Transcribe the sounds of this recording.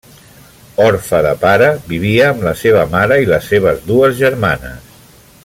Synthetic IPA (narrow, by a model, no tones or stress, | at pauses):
ɔɾfəðəpaɾəβiβ̞iəːmləseβ̞əmaɾəiləseβ̞əzðuəzʒəɾmanə̰s